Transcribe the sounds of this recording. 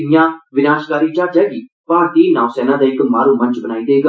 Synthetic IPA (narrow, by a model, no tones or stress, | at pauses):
ɪjãːʋɪnaːʃkaːɾiːt͡ʃaːɾd͡ʒaːɡiː | paːɾt̪iːnaːʊsɛːnãːd̪aːɪkmaːɾũːmə̃nt͡ʃbənaːiːd̪eːk